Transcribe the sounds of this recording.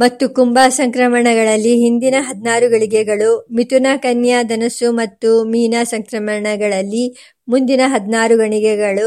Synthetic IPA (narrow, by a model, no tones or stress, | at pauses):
mɐt̪ːukumbaːsɐŋkɾɐmɐɳɐɡɐɭɐlːiɦind̪inɐɦɐd̪naːɾuɡɐɳiɡɛɡɐɭumit̪unakɐnjad̪ɐnɐsumɐt̪ːumiːnasɐŋkɾɐmɐɳɐɡɐɭɐlːi | mund̪inɐɦɐd̪naːɾuɡɐɳiɡɛɡɐɭu